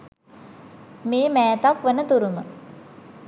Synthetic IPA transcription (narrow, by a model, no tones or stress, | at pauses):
meːmæːt̪akʋənət̪uɾumə